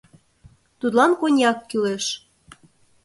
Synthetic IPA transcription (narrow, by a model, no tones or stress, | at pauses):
t̪ut̪lɑnkonʲjɑkːyleʃ